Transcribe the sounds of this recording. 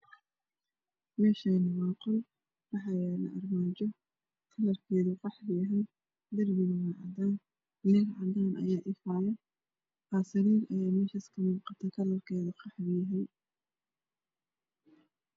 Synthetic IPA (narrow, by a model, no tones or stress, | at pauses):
mɛːʃɐnɐwɑːqʊl | wɑħɑjɛlɐ̰ʔɐrmaːt͡ʃɔ | kʰɐlɐrkʰɛːðʊqɑħbɪjɐɦɛj | d̪ɐrɡɪnɐwaʕɑ̰d̪aːn | lɛɡʕɑd̪aːnʔɐ̰jaːʔɪfɑʕjɐ | qɑːsɐɾiːɾɐjaːmɛːʃɐɪskʰɐmuːqɑt̪ʰɐkʰɐlɐrkʰɛːðʊqɑħbɪjɐɦɛj